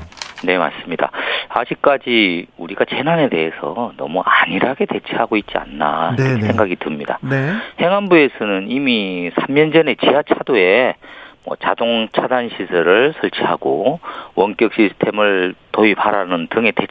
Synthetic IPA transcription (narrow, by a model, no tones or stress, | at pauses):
ne̞ma̰s͈ɯmɲida̰a̰d͡ʑik̚k͈ad͡ʑiuɾiɡat͡ɕe̞nane̞de̞esʰʌ̰nʌmuʔaɲiɾaɡe̞te̞t͡ɕʰiɦaɡoit̚t͡ɕ͈ia̰nːa̰iksʰeŋɡaɡitɯmɲidanehe̞ŋanbue̞sʰʌnɯnimisʰamːʌnd͡ʑʌne̞t͡ɕiɦat͡ɕʰadoe̞mwʌ̰t͡ɕadoŋt͡ɕʰadanɕʰisʰʌɾɯɭsʰʌɭt͡ɕʰiɦaɡowʌnk͈jʌk̚ɕ͈isʰɯ̥tʰe̞mɯɭtoipaɾanɯntɯŋe̞te